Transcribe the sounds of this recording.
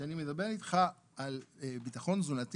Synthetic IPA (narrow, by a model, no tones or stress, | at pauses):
anime̞d̪abe̞ʁit̪χaː | lbitaχo̞nzulat